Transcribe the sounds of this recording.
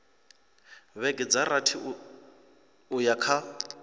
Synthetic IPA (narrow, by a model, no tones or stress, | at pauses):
βɛɡʼɪd͡zaratʰɪ | ʊjakʰa